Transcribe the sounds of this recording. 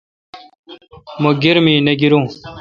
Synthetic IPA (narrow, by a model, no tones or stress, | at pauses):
muɡiɾmiːnɐɡiɾũː